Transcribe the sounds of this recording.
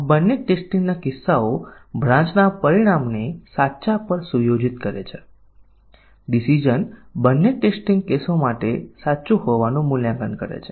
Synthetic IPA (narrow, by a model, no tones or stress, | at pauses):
bənːeʈesʈĩŋɡnakɪsːaobʱɾãɲt͡ʃnapəɾiɽ̃amnesatːʃapəɾsujod͡ʒit̪̚kəɾet͡ʃʰe | ɖisid͡ʒənbənːeʈesʈiŋɡkesomaʈesaːt͡ʃũhoʋanũmuljãŋɡənkə̰ɾḛt͡ʃʰe